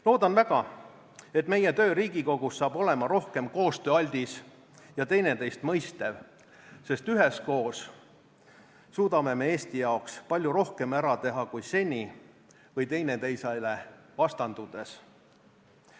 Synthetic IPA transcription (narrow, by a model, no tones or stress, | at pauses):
lo̞ːd̪ɑnvæɡ̥ɑ | e̞t̪ːˑme̞je̞t̪ø̞ːɾiːɡiko̞ɡ̥usːɑːb̥o̞le̞mɑɾo̞hke̞mko̞ːst̪øːɑlʲd̪̥is | jɑt̪e̞jne̞t̪e̞jst̪mɤjst̪ev | se̞st̪yɦe̞sko̞ːs | suːd̪̥ɑme̞me̞eːst̪ijɑokspɑlʲjuɾo̞hke̞mæɾɑt̪e̞ɦɑkujse̞nʲi | vɤjt̪e̞jne̞t̪e̞jsɑjle̞vɑst̪ɑnd̪ud̪̥e̞s